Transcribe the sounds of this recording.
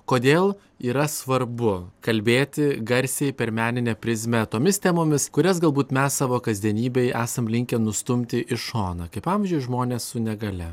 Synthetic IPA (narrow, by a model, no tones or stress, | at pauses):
koːd̪ʲeːlˠ | iːɾɐsʋɐrbʊkɐlʲbʲeːt̪ʲɪɡɐɾʲsʲɛjpʲɛɾmʲæːnʲɪnʲɛpʲɾʲɪzʲmʲɛt̪oːmʲɪst̪ʲæːmoːmʲɪskʊɾʲɛs̬ɡɐlˠbuːt̪mʲɛssɑːʋoːkɐzʲd̪ʲiɛnʲiːbʲɛɪæːsɐmlʲɪŋʲkʲɛnʊst̪ʊmʲt̪ʲɪʔɪʃoːnɐkɐɪpɑmʲɪzʲd͡ʒʲʊɪʒmoːnʲeːssʊnʲɛɡɐlʲɛ